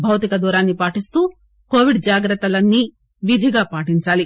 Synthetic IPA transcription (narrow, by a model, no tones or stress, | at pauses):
bʱɐʋt̪ikɐd̪uːɾaːnːipaːʈist̪uː | ko̞ːʋiɖd͡ʒaːɡɾɐt̪ːɐlɐnːi | ʋid̪ʱiɡaːpaːʈiɲt͡ʃaːli